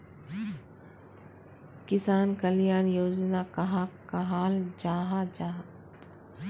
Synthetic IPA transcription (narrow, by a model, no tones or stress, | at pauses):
kɪsaːnkɐljaːnjoːd͡ʒnakaɦakaɦaːld͡ʒaːɦad͡ʒaːɦ